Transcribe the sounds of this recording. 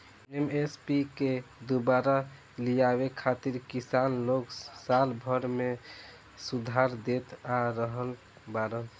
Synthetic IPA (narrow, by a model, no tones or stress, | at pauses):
emespiked̪ubaɾa | lijaβekʰat̪iɾkisanloksalbʱəɾme | sud̪ʱaɾd̪et̪aɾəɦəl | baɾəl